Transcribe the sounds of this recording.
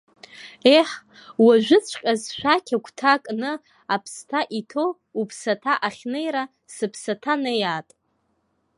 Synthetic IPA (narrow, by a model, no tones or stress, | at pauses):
eħ | waʒᶣʷʊt͡sʷʰqʲʼazʃʷᶣakʲʰakʷʰʼtʰakʼnɨ | apʰstʰaʔitʰo | upʰsatʰaʔaχʲnejɾa | sɨpʰsatʰanejatʼ